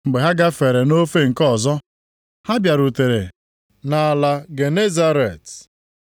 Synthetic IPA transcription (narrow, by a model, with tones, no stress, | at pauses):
ŋ͡m̩˨ɡ͡be˨ɦa˦ɡa˦fe˨ɾe˨no˦fe˦ŋ̩˨kɔ˦˨zɔ˦ | ha˦bja˨ɾu˨te˨ɾḛ˨ | na˨la˨ɡe˨ne˦za˦ɾe˨t